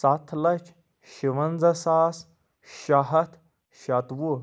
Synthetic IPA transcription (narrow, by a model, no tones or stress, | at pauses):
sɐt̪ʰlɐt͡ʃʰ | ʃiʋɐnd͡zɐsaːs | ʃɐɦɐt̪ʰ | ʃɐt̪wu